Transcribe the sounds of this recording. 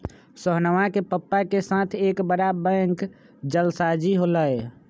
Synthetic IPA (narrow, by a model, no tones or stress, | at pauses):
səɦnəʋakepəpːakesat̪ʰekbəɽabəŋk | d͡ʒəlsad͡ʒiɦoləj